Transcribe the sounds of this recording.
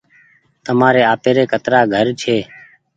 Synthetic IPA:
t̪əmaːɾeːaːpeːɾeːkət̪ɾaːɡʱəɾt͡ʃʰeː

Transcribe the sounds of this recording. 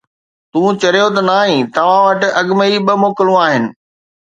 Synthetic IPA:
t̪ũːt͡ɕɐɾijot̪ɐnaːɦĩt̪ɐʋ̤ãʋɐʈɪ̆ɐɠməiɓɐmoːkɪlũaːɦɪnɪ̆

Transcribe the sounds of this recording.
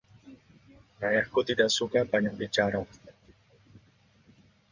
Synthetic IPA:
ɾajaχkʊt̪id̪asʊkapaɲabit͡ʃaɾa

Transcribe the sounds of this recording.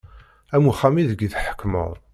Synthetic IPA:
æmuχæmiðəɡiðħə̥kːmə̰ðˤ

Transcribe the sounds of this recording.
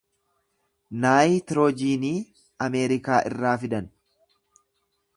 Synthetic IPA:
naːjit̪ɪɾoːd͡ʒiːniː | ɐmeːɾɪkaːʔɪ̰rːaːfɪd̪ɐn

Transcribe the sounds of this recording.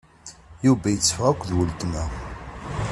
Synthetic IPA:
juvæjət͡sːfʁækʷːðwəlt̪mæ

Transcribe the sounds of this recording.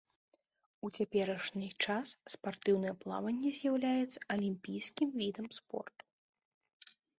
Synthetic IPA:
ut͡sʲapʲɛɾɐʂnʲɨt͡ʂasːpart̪ɨwnɨjɛplˠa̰vɐnʲːɛzʲjawlʲajɛt̪sːɐ̥ʔɐlʲimʲpʲijskʲimvʲid̪ɐmspɔ̰rt̪u̥

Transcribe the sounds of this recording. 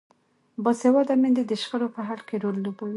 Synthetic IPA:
bɑsewɑd̪amɪnd̪ed̪əʃxəɾopəɦaɽkeɾolːobawi

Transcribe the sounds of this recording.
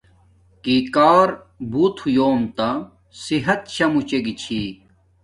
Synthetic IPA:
kikaːɾ | bʱut̪ʰjoːnt̪a | siɦɐt̪̚ɕɐmut͡ɕeɡit͡ɕʰi

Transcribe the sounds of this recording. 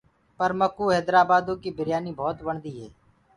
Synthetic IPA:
pəɾməkuːɦɛːd̪ɾaːbaːd̪õːkiːbɪɾjaːniːbʱɔːt̪bəɳd̪iːɦɛː

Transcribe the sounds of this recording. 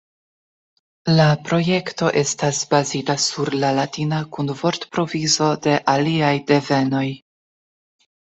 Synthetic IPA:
lapɾo̞je̞kto̞ʔe̞stasbazitasuɾlalatinakunvo̞ɾtpɾo̞vizo̞de̞ʔaliajde̞ve̞no̞j

